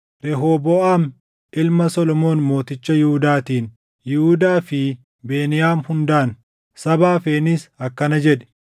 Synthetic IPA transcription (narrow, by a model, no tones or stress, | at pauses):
ɾɛɦoːbɔʔaːm | ɪlmɐsɔlɔmo̞ːnmo̞ːt̪ɪt͡ʃːɐjɪhʊd̪aːt̪iːn | jɪhʊd̪aːfɪ | beːnɪjaːmhʊnd̪aːn | sɐbaːfe̞ːniːsɐkːɐnɐd͡ʒɛᶑɛ̥